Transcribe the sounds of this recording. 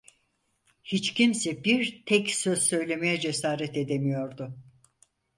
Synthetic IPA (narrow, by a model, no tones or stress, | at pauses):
hit͡ʃcʰimsɛbiɾt̪ʰɛcsøz̥sø̞jlʲe̞mejɛd͡ʒe̞saːɾɛt̪e̞d̪emijo̞ɾd̪ʊ